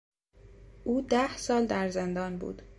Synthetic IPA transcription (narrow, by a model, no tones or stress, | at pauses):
ʔuːd̪æhsɒːld̪æɾze̞nd̪ɒːnbṵːd̪̥